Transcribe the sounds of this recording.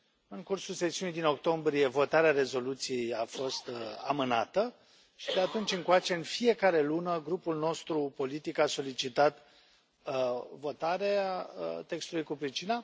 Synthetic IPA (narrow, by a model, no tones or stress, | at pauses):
ɨŋkursulse̞siunijd̪ino̞kt̪o̞mbɾije̞vo̞t̪aɾeaɾe̞zo̞lut̪sije̞jafo̞st̪a̰mɨna̰t̪ə | ʃid̪eat̪unt͡ʃʲɨŋkoat͡ʃe̞ɨnfije̞kaɾe̞lunəɡɾupulno̞st̪ɾupo̞lit̪ikaso̞lit͡ʃit̪at̪ | vo̞t̪aɾeat̪e̞kst̪ulujkupɾit͡ʃina